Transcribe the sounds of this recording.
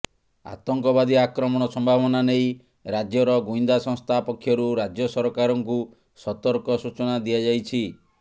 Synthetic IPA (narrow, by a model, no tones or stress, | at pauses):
a̰t̪ɔŋkɔbad̪iakɾɔmɔɽ̃ɔsɔmbʱabɔnanej | ɾad͡ʒjɔɾɔɡuind̪asɔ̃ŋst̪ʰapɔkʰːjɔɾuɾad͡ʒjɔsɔɾkaɾɔŋku | sɔt̪ɔɾkɔsut͡ʃɔnad̪iad͡ʒajt͡ʃʰi